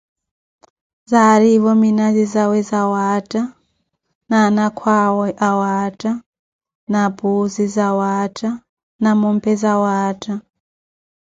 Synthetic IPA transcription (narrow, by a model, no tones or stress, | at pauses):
zaɾivɔminazizawɛzawatʼa | nanakʰwawɔʔawatʼa | napuzizawatʼa | namɔmpʰɛzawaːtʼa